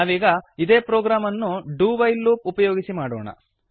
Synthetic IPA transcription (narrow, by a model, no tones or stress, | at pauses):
aːʋiːɡɐid̪eːpɾoːɡɾaːmɐnːuɖuːbɐjlːuːp̚upɐjoːɡisimaːɽoːɳɐ̰